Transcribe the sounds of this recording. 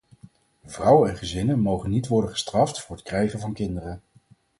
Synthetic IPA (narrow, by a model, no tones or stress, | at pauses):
v̥rʌwəɛnχəzɪnənmowχənːitʋɔɹdənχə̥strɑftfʊːɹɦətkrɛjχənvɑnkɪndərən